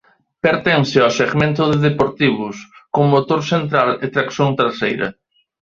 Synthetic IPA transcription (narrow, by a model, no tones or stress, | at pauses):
peɾt̪ɛ̃ŋsɪaseɣmẽnt̪ʊðeðepoɾt̪iβ̞ʊskommot̪oɾsent̪ɾalɪt̪ɾaksjõnt̪ɾasejɾɐ̰